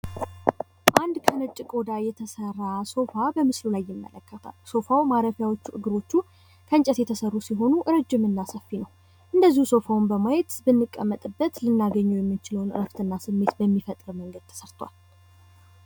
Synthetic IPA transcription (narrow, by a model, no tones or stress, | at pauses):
ʔand̪kʰənɨt͡ʃʼːɪkʼo̞d̪ajɛt̪ʰəsərːaso̞fabəmɨslulajːɪmːə̰ləkːət̪ʰa̰lso̞fawmaɾəfjawot͡ʃːuʔɨɡɨɾo̞t͡ʃːu | kʰənt͡ʃʼəsjɛt̪ʰəsərːusiɦo̞nuʔɨɾɨd͡ʒːɪmɨnːasəfːinəw | ʔɨnd̪əzːihuso̞fawnbəmajɛt̪bɨnːɨkʼːəmːət̪ʼɨbːət̪lɨnːaɡəɲːujɛmːɨt͡ʃɪləwnɨ̰ɾəft̪ɨnːasɨmːe̞t̪bəmːifət̪ʼɾəməŋɡəd̪̚t̪ʰə̥səɾt̪ʰwa̰l